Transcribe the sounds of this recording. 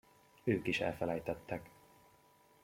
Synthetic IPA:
øːkiʃɛ̰lfɛlɛjt̪ɛt̪ːɛk

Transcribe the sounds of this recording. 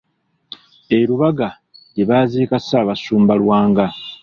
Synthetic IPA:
e̞ɾuβaɡa | jiβaːziːkasaːβasuːmbalwaːŋɡa

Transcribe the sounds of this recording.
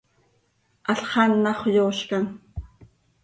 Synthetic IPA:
aɬχɑnːɑχʷjoːʃkan

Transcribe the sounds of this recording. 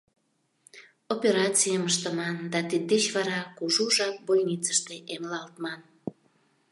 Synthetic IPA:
opeɾɑt͡sijəməʃt̪əmɑnd̪ɑt̪id̪̚ːet͡ɕβɑɾɑkuʒuʒɑk̚bojnit͡sə̥ʃt̪eʔemlɑlt̪mɑn

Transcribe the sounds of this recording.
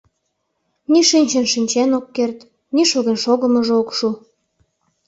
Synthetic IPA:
niʃinʲt͡ɕenʃinʲt͡ɕenokːert̪ | niʃoɣenʃoɣəməʒeokʃu

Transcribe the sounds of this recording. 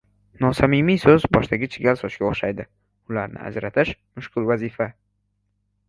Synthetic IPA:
nɒsamɪmijsozbɒʃd̪aɡʲɪt͡ʃʰɪɡʲalsɒt͡ʃkʲaʊχʃajd̪ɪ | ʊlaɾnɪ̰ʔa̰d͡ʒɾat̪ʰɪʃmʊʃqʊlˠvazifa

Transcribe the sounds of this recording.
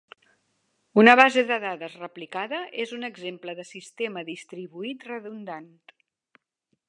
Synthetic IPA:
unəβ̞azeðəðaðəzrəplikaðəʔezunəɡzempləðəsist̪eməðist̪ɾiβuit̪rəðund̪ant̪

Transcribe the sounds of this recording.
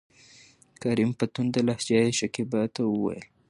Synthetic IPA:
kaɾimpat̪und̪əlahd͡ʒɑjeʃakibɑt̪awəwa̰jə̰l

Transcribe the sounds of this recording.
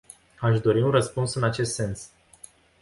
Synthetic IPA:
aʃd̪o̞ɾiunrəspunsɨnat͡ʃe̞st̪se̞ns

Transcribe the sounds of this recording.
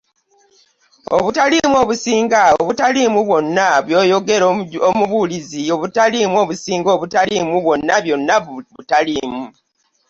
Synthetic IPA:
o̰βutalimuo̞ːβusiːŋɡaoβutalimuβwo̞nːaβjo̞ːjo̞ɡe̞ɾoomuβuːlizio̞βutalimuo̞ːβusiːŋɡo̞ːβutalimuβwo̞nːaβjo̞nːaβutalimu

